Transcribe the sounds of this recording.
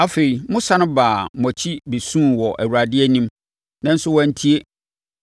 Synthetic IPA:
a˨fe˨ɾi˨mʊ̃˦sa˦nʊ̃˦baː˨m˨ɔ̃˨t͡ɕʰi˦be˨sũ˦˨wɔ˨ʔæ̰˨wu˨ɾa˨dɪ˦ɛ˦nĩ˦m | nã˦n̩˦sʊ˦wɔ̃˦n̩˦tʰi˦e˦

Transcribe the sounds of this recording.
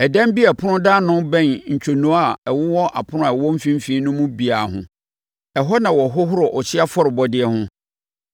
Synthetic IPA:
ɛ˨dã˦m˦bi˦ɛ˨pʰʊ˦nʊ̃˦daː˦nʊ̃˦bɛ̃˦˨nɲ̩˨t͡ɕʰᶣo˨nũ˨˦a˦˨ɛ˨wʊ˦wɔ˦ʔa̰˨pʰʊ˦ʊ̃˦a˨ɛ˨wɔ̃˦m̩˦fĩ˦m̩˦fĩ˨˦nʊ̃˦mũ˦bi˨a˨ɦʊ̰̃˦ | ɛ˨ɦɔ˦nã˨wɔ˨ɦɔ˦ɦʊ˦ɾɔ˨ʔɔ˨t͡ɕʰɪ˦a˦fɔ˦ɾɪ˨bɔ˨dɪ˦ɛ˦hʊ̃˦

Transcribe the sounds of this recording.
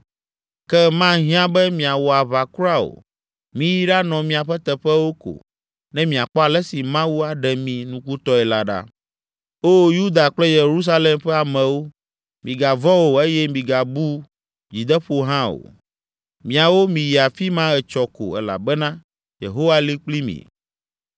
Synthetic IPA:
kɛ˦mã˦ɦĩ˦ã˦bɛ˦mĩ˨a˨wɔ˨a˨βa˨ku˦ɾa˦o̰˨ | mĩ˦ji˦ɖa˦nɔ̃˨mĩ˨a˨ɸɛ˦t̪ɛ˨ɸɛ˦wo˦ko̰˨ | nɛ̃˦mĩ˨a˨k͡pɔ˦a˨lɛ˦si˨mã˦wu˦a˨ɖɛ˨mĩ˨nũ˦ku˦t̪ɔ˦ɛ˨la˨ɖa̰˦ | o˦ju˦d̪a˨k͡plɛ˦je˨ɾu˦s̬a˦le˦mɸɛ˦a˨mɛ̃˨wo˦ | mĩ˨ɡa˨vɔ̃˦wo˨e˦jɛ˦mĩ˨ɡa˨bu˦ | d͡ʑi˨d̪ɛ˦ɸo˨ɦã˦o̰˨ | mĩ˨a˨wo˦mĩ˨ji˨a˨fi˦mã˦ɣɛ˨t͡ʃɔ˨ko̰˨ɛ̰˨la̰˨bɛ˦nã˦ | jḛ˨ɦo˦wa˦li˦k͡pli˦mḭ̃˨

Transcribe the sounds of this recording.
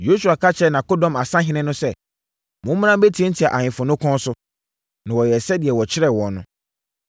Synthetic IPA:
jo˦su˨a˨kʰa˦t͡ɕʰɛ˦nã˨ko˦dɔ̃˨ma˨sã˦ɦɪ̃˦nɪ̃˦nʊ̃˦sɛ˦ | mʊ̃˦m̃ː˦n˦ã˦m˦be˦tʰĩ˦n̩˦tʰi˨a˨ʔa˨ɲɪ̃˨fʊ̃˨nʊ̃˦kʰɔ̃˦n˦sʊ˦ | nã˨wɔ˨jɛ˨sɛ˦di˨ɛ˨wɔ˨t͡ɕʰɪ˦ɾɛ˦wɔ̃˨nnːʊ̃˦

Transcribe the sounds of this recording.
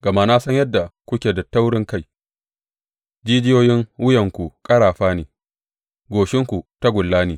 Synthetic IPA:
ɡ̥ɐ˨maː˦˨naː˦sɐ˦ɲjɐ˦dːa˨kʷʊ˦kʲeː˨dɐ˨tːa˦wɽɪ˦ŋka˦j | d͡ʒiː˦d͡ʒɪ˦joː˦jɪ˦ŋwʊ˦jɐ˨ŋkʷu˨kʼɐ˦ɽaː˨ɸaː˦neː˨ | ɡʷoː˨ʃɪ˦ŋkʷu˨ta˦ɡʷʊ˨lːaː˦neː˨

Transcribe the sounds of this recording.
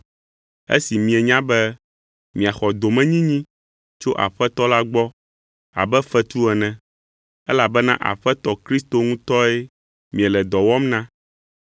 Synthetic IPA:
ḛ˦si˨mĩ˨ɛ˨ɲã˦bɛ˦ | mĩ˨a˨xɔ˨d̪o˨mɛ̃˦ɲĩ˦ɲĩ˦ | t͡ʃo˦ʔa̰˨ɸɛ˦t̪ɔ˦la˦ɡ͡bɔ˦ | a̰˨bɛ˦fɛ˦t̪u˦ɛ˨nɛ̃˨ | ɛ˦la˨bɛ˦nã˦ʔa̰˨ɸɛ˦t̪ɔ˦kɾi˦st̪o˦ŋũ˦t̪ɔ˦ɛ˦ | mĩ˨ɛ˨lɛ˨d̪ɔ˨wɔ˦mnã˦

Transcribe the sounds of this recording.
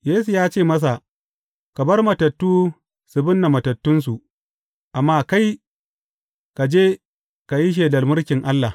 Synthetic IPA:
jeː˦s̬u˨jaː˦t͡ʃeː˦˨mɐ˦s̬a˨ | ka˨bɐ˦rmɐ˨tɐ˨tːuː˦ | sʊ˨bʊ˦nːa˨mɐ˨tɐ˨tːʊ˦ns̬u˨ʔ | ʔa˨mːaː˦ka˦j | ka˨d͡ʒeː˦ | ka˨ji˦ʃ̬eː˨dɐ˨rmʊ˦rkʲɪ˨ŋʔa˦lːa˨

